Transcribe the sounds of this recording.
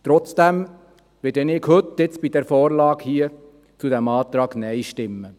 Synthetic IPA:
t̪ɾɔt͡sd̥̪æm | ʋɪdɛnɪkhɵt̪ːɪt͡sb̥id̥̪ɛːɾfɔːɾlɑːɡhiə | t͡sud̪æmɑːt̪ɾɑːɡnɛɪʃtɪmːə

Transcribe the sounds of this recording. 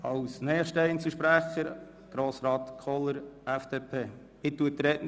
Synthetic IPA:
ɑwsnɛːχʃtɛɪnsəʃpɾæχəɾ | ɡ̥ɾoːsɾɑːt̪kʰɔləɾɛfd̥eːpʰeː | ɪt̪ːuət̪ɾɛtn

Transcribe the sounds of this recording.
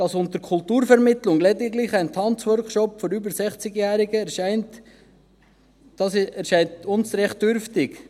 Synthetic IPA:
d̥ɑsʊntəɾkʰʊltuːɾfɛɾmɪtlʊŋlɛdɪɡlɪχæɪntʰɑnt͡swœɾkʃɔpfɔɾybəɾsɛχt͡sɪɡjæːɾɪɡəɛɾʃaɪnt | d̥ɑsɛɾʃæɪntʊnsɾɛχt̚d̥øɾftɪk

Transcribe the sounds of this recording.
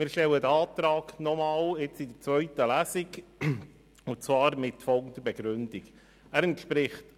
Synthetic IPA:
mɪːɾʃtɛlːədəɑːt̪ɾɑːknɔmɑːlɪt͡sid̪ət͡sʋœɥtəlæsiɡ | ʊnt͡svɑːɾmɪtfɔlˠɡntdəɾbɛɡɾʏndik | æɾɛntʃpɾɪχt

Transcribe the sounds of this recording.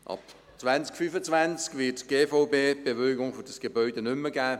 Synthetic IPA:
ʔɑ̰p | t͡svanskfyːfət͡svant͡skvɪtɡ̥eːfɔʊbeːb̥evœʏɡʊŋfɔd̥ɑsɡ̥ebœʏdenʏmːəɡæː

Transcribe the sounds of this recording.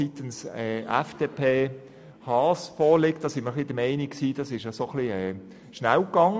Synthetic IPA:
it̪ənsɛːʔɛ̰fd̥eːpʰeː | hɑːsfɔːlɪkt̚d̥ɑːsɪnməχlid̥əmɛɪnikksiːd̥ɑsɪʃjɑsoχliɛː | ʃnæwkːɑŋə

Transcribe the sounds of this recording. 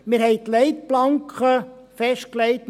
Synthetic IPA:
mɪɾɦɛɪt̪lɛɪt̪̚plɑŋkχəfɛʃt̚klɛɪt̪

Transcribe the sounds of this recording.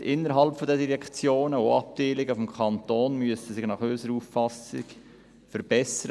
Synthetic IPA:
ʔɪnːəɾɦɑlpfɔd̪ɛd̪iɾɛkt͡sjoːnəoɑ̰p̚d̥̪eːlɪɡəfɔmkʰɑnt̪oːnmyəsəsɪχnɑχøsəɾuffɑsɪ̰k | fəɾb̥ɛsəɾ

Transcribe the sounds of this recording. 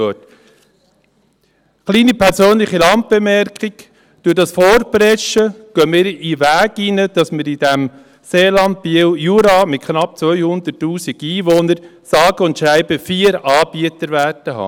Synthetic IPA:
øt | χliːnipʰɛɾsøːnlɪχilɑnt̚b̥emɛɾkχɪɡ̥ | d̥udɑsfɔːɾpɾɛʃəɡ̥œːmɪːɾiʋæːɡinəd̥ɑsmɪɾid̥æm | seːlɑnd̚biwjuɾɑmɪt̚kʰχnɑp̚t͡sʋœʏhʊnd̪ətːuːsiɡiːʋoːnəɾsɑːɡəʊntʃɾæɪbəfiːəɾɑːb̥iət̪əɾʋætəɦɑ̰ː

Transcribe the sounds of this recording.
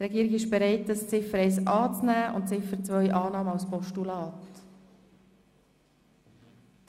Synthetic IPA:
t̪ɾɛɡiːəɾɪɡɪʃb̥ɛɾɛɪtːəst͡sɪfəɾɛɪsɑːt͡snæːʔʊ̰ntt͡sɪfəɾt͡sʋœjʔɑːnɑːməawspɔʃtulɑːt

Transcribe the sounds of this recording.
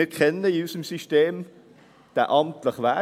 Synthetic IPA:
ɪtkʰɛnːəɪysəmsyʃteːm | d̪̥æ̰ʔɑmtləχʋæ

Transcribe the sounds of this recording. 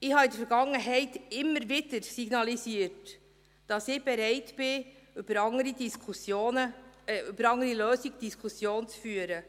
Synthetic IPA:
ɪhɑid̪əfɛɾɡɑŋːəɦɛɪtɪmːəɾvʋɪd̥əɾsiɡnɑlisiːəɾt | d̥ɑsɪb̥ɛɾɛɪtb̥ɪyb̥əɾɑŋəɾidiskʰusjoːnəybəɾɑŋəɾiløːsiɡ̚d̥iskʰusjoːnt͡sfyːəɾə

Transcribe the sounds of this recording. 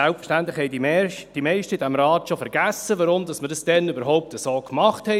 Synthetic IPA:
ælpfə̥ʃtænt̪lɪxhɛɪdimɛd̥imɛɪʃtədæmɾɑːtʃofɛɾɡ̥æsəʋɑɾʊmdɑsmədəsd̥ɛnybəɾɦɔʊp̚təsoːkmɑχthɛ

